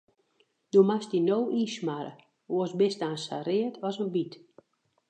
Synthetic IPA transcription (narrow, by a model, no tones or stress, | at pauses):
dumastinowʔiːsmaɾə̰ | oəsbɪstaːnsa̰ɾɪətʰɔsənbit